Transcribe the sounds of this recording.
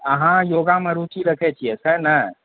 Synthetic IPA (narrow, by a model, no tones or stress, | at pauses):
əɦãjoɡamẽɾut͡ʃiɾəkʰɛt͡ʃʰiɛsənə